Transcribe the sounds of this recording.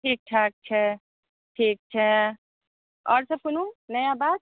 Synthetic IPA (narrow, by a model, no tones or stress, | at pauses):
ʈʰiːk̚ʈʰaːk̚t͡ʃʰɛ | ʈʰiːk̚t͡ʃʰɛ | ɔ̰ːɾsəb̚kununəjãbad̪̚